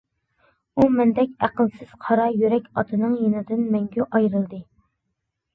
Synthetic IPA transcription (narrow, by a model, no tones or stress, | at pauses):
umɛnd̪ɛkʲæqəlˠsɪz̥qʰɑɾɑjyɾɛkʲɑt̪ʰɨnɨŋjenɨd̪ɪnmɛŋɡʲyʔɑjɾɨlˠd̪ɨ